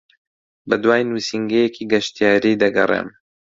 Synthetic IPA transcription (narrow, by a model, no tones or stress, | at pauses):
bɐd̪waːjnusiŋɡejekʰiːɡɐʃt̪ijaːɾiːd̪ɐɡɐ̰rˤḛːm